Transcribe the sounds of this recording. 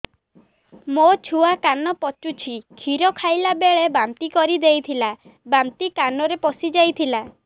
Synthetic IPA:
mot͡ʃʰuakanɔpɔt͡ʃut͡ʃʰikʰiɾɔkʰajlabeɭebamt̪ikɔɾid̪ejt̪ʰila | bamt̪ikanɔɾepɔsid͡ʒajt̪ʰila

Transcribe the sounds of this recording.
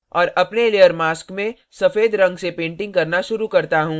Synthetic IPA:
ɔːɾɐpnelejəɾmaːskmẽ | sɐfeːd̪ɾɐ̃ŋɡsepẽːɳʈɪ̃ŋɡkɐɾnaʃʊɾukɐɾt̪aɦũː

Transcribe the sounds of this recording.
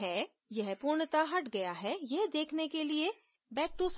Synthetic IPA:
ɦɛ | jɐɦpuːɾɳt̪aɦɐʈɡɐjaɦɛjɐɦd̪eːkʰnekelie | bɛːʈːus

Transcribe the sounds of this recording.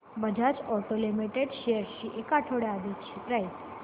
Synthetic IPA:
bəd͡ʒʱat͡ʃɔʈolimiʈeɖʃejəɾʃiʔekaʈʰoɽead̪ikt͡ʃʰiɾait̪

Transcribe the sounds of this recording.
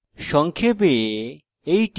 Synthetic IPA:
ʃɔŋkʰepee | ejʈ

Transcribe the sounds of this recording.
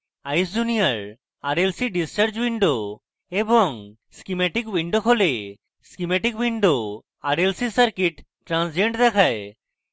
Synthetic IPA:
ajsd͡ʒunijaɾ | aɾelsiɖist͡ɕaɾd͡ʑwiɳɖo | ebɔŋ | skimɛʈikwiɳɖokʰole | skimɛʈikwiɳɖo | aɾelsisaɾkiʈː | ɾãnsd͡ʑeɳʈd̪ɛkʰae

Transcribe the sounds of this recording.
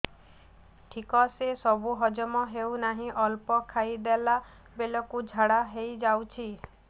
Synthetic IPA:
ʈʰikɔsesɔbuɦɔd͡ʒɔmɔɦewnaɦĩʔɔlpɔkʰajd̪ela | belɔkud͡ʒʱaɽaɦejd͡ʒawt͡ʃʰi

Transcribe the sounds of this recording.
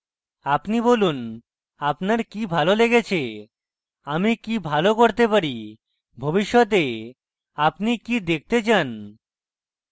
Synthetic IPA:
apnibolun | apnaɾkibʱaloleɡet͡ɕʰe | amikibʱalokoɾt̪epaɾi | bʱobiʃːɔt̪̬e | apnikid̪ek̚ʰt̪et͡ɕan

